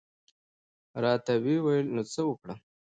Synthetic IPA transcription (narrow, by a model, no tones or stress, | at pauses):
ɾɑt̪awiwajəlnot͡səwəkɽa